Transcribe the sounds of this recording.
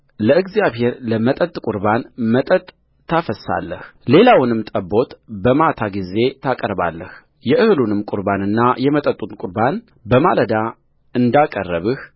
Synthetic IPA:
ləɨɡzjaβhe̞ɾləmət̪ʼət̪ʼkʼʊɾbanmət̪ʼət̪ʼʰː | afəsa̰lːəhle̞lawnɨmt̪ʼəbo̞t̪bəmat̪ʰaɡize̞t̪ʰakʼəɾba̰lːəh | jɛʔɨhɨlunɨmkʼʊɾbanɨnːajɛmət̪ʼət̪ʼːunkʼʊɾban | bəmaləd̪a | ɨnd̪akʼərːəβɨh

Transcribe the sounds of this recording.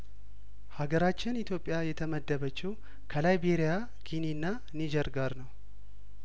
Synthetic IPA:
haɡəɾat͡ʃːɪnit̪ʰjo̞pʼːjajɛt̪ʰəməd̪ːəbət͡ʃːɪw | kʰəlajbeɾija | kʰininːa | nid͡ʒɛɾɡaɾnəw

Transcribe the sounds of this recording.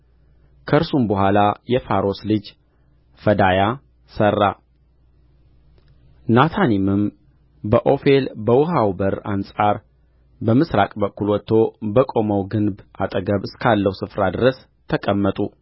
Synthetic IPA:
kʰəɾsumbəɦʷalajɛfaɾo̞slɨd͡ʒ | fəd̪aja | sərːa | nat̪ʰanimɨm | bəʔo̞fe̞lbəwʊɦawbəɾansʼaɾ | bəmɨsɾakʼbəkːulwɔt̪ːo̞bəkʼo̞məwɡɨnba̰t̪ʼəɡəβɨskʰalːəwsɨfɾad̪ɨɾəs | t̪ʰəkʼəmːət̪ʼu

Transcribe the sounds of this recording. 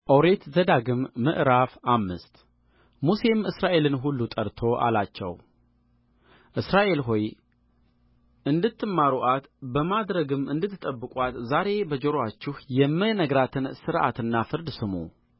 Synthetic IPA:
ʔowɾe̞t̪zəd̪aɡɨmːɨ̰ʔɾafamːɨst̪ | muse̞mɨsɾaʔe̞lɨnɦulːut̪ʼəɾt̪ʰo̞ʔa̰lat͡ʃːɛ̰w | ʔɨsɾaʔe̞lɦoj | ʔɨnd̪ɨt̪ʰːɨmːaɾuʔat̪bəmad̪ɾəɡɨmːɨnd̪ɨt̪ʰːɨt̪ʼəbːɨkʼwat̪zaɾe̞bəd͡ʒoɾat͡ʃːɪhjɛmːɨnəɡɾat̪ʰɨnsɨɾʔa̰t̪ɨnːafɨɾd̪sɨmṵ

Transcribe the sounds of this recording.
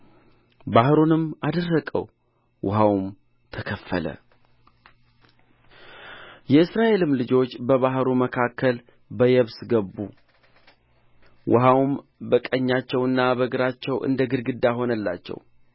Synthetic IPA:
bahɾonɨmad̪ərːəkʼə̰w | wʊɦawm | t̪ʰəkʰəfːə̰lə̰ | jɛɨsɾaʔe̞lɨmlɨd͡ʒo̞t͡ʃːbəβaɦɾuməkʰakʰːəl | bəjɛβsɡəbːu | wʔʊɦawm | bəkʼəɲːat͡ʃːɛwɨnːabəɡɨɾat͡ʃːɛwʔɨ̰nd̪əɡɨɾɡɨd̪ːaɦo̞nəlːa̰t͡ʃːɛ̰w

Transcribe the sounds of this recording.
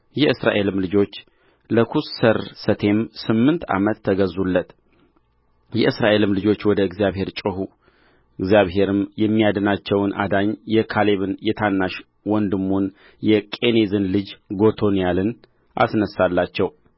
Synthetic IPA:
jɛʔɨsɾa̰ʔe̞lɨmlɨd͡ʒo̞t͡ʃː | ləkʰussəɾsət̪ʰe̞msɨmːɨnt̪a̰mət̪ʰːəɡəzulːət̪ | jɛʔɨsɾaʔe̞lɨmlɨd͡ʒo̞t͡ʃːwɔd̪əɨɡzijaβhe̞ɾt͡ʃʼɨɦu | ɨɡzjaβɦe̞ɾɨmjɛmːijad̪ənat͡ʃːɛwnʔa̰d̪aɲjɛkʰale̞βɨnjɛt̪ʰanːaʃ | wɔnd̪ɨmːun | jɛkʼe̞nezɨnlɨd͡ʒɡo̞t̪ʰo̞nijalɨn | ʔa̰snəsːalːat͡ʃːɛw

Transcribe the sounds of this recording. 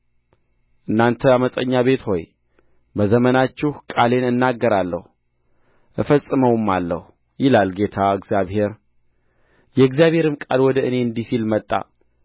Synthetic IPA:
ʔɨnːant̪ʰəaməsʼəɲːaβe̞t̪ho̞j | bəzəmənat͡ʃːɪhkʼale̞nɨnːaɡːəɾalːəhu | ʔɨfəsʼɨməwmːalːə̰hu | jɪlalɡe̞t̪ʰaɨɡzijaβhe̞ɾ | jɛɨɡzijaβhe̞ɾɨmkʼalwɔd̪əʔɨne̞ɨnd̪isilmət̪ʼːa̰

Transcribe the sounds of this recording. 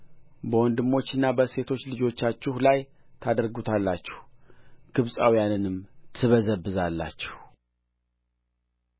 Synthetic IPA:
bəwɔnd̪ɨmːo̞t͡ʃːɨnːabəse̞t̪ʰo̞t͡ʃːlɨd͡ʒo̞t͡ʃːat͡ʃːɪhlaj | t̪ʰad̪əɾɡut̪ʰalːat͡ʃːɛ̥hɡ̥ɨβsʼawijanɨnɨmt̪ʰɨβəzəbːɨzalːa̰t͡ʃːɛh

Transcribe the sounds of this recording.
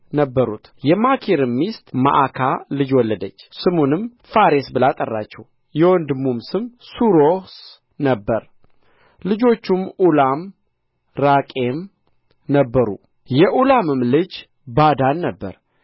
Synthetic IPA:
nəbːəɾṵt̪ʰjɛmakʰiɾɨmːist̪ʼma̰ʔakʰalɨd͡ʒwɔlːəd̪ət͡ʃːsɨmunɨm | faɾesbɨlat̪ʼərːat͡ʃːɛw | jɛwɔnd̪ɨmumsɨmsuɾos | nəbːəɾ | lɨd͡ʒo̞t͡ʃːumʔulam | ɾakʼem | nəbːəɾṵ | jɛʔulamɨmlɨd͡ʒ | bad̪anːəbːə̰ɾ

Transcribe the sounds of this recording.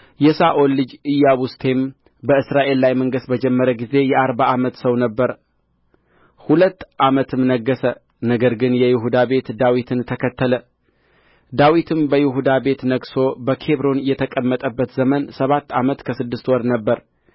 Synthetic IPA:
jɛsaʔo̞lːɨd͡ʒɨjːaβust̪ʰe̞m | bəɨsɾaʔe̞lːajməŋɡɨst̪bəd͡ʒɛmːəɾəɡize̞jɛaɾbaamət̪səwnəbːəɾ | hulət̪ːʔamət̪ʰɨmnəɡːəsə | nəɡəɾɡɨnjɛjɪɦud̪abe̞t̪d̪awit̪ʰɨnt̪ʰəkʰət̪ːələ | d̪awit̪ʰɨmbəjɪɦud̪abe̞t̪nəɡso̞bəkʰe̞βɾo̞njɛt̪ʰəkʼəmːət̪ʼəbːət̪zəmənsəβat̪ːamət̪kʰəsɨd̪ːɨst̪wɔɾnəbːəɾ

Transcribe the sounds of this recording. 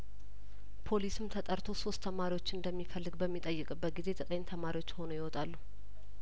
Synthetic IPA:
pʰo̞lisɨmt̪ʰət̪ʼəɾt̪ʰo̞so̞st̪ʰːəmaɾiwo̞t͡ʃːɨnd̪əmːifəlːɨɡbəmːit̪ʼəjːɨkʼɨbət̪̚ɡize̞zət̪ʼəɲːt̪ʰəmaɾiwo̞t͡ʃːho̞nujɪwɔt̪ʼalːu

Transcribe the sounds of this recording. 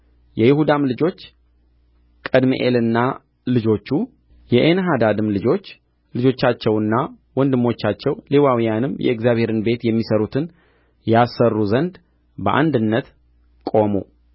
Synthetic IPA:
jɛjɪhud̪amlɨd͡ʒo̞t͡ʃː | kʼəd̪mḭʔelɨnːa | lɨd͡ʒo̞t͡ʃːu | jɛʔenəɦad̪ad̪ɨmlɨd͡ʒo̞t͡ʃː | lɨd͡ʒo̞t͡ʃːat͡ʃːɛwɨnːa | wɔnd̪ɨmːo̞t͡ʃːat͡ʃːɛwlewawijanɨmjʔɛ̰ɨkzjaβhe̞ɾɨnbe̞t̪jɛmːisəɾut̪ʰɨn | jasərːuzənd̪ | bəʔa̰nd̪ɨnːət̪ | kʼo̞mṵ

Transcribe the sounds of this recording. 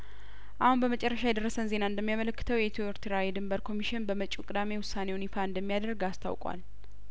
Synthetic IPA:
ʔahunbəmət͡ʃʼɛrːəʃajɛd̪ərːəsənze̞naɨnd̪əmːijamələkːɨ̥t̪ʰəwjɛt̪ʰioɾt̪ʰɨɾawid̪ɨmbəɾkʰo̞miʃɪnbəmət͡ʃʼukʼɨd̪ame̞wʊsːanewnifaɨnd̪əmːijad̪əɾɡast̪ʰa̰wkʼwa̰l

